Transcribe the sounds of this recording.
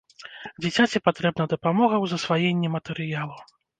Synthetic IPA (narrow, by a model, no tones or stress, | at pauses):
d͡zʲit͡sʲat͡sʲipat̪ɾɛbnɐd̪ɐpamɔɣɐwzɐsvajɛnʲːɛmɐt̪ɛɾɨjalˠu